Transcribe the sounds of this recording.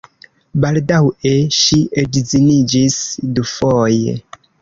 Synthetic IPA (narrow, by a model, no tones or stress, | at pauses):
baldaweʃiʔedzinid͡ʒisdufojḛ